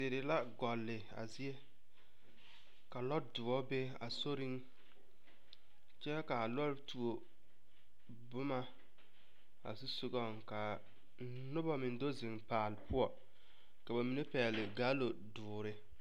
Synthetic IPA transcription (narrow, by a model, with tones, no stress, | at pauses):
sɪ˨ɾɪ˨la˦ɡɔ˨lːɪ˨a̰˨zɪ˦ɛ˦ | ka˨lɔ˦dʊ˨ɔ˦be˦ | a̰˨so˦ɾɪ˦ŋ | t͡ʃɛ˦ka˨lɔ˦tu˨o˨ | bʊ˦ma˦ | a̰˨su˦sʊ˦ɡɔ˦˨ŋka˨˦ | nʊ˦bɔ˦mɪ˨ndo˦zɪ˨ŋpaː˨lɪ˨pʊ˦ɔ˨ | ka˨ba˨mi˨ne˦pɛː˨lɪ˨ɡaː˦lo˨dʊː˨ɾɪ˦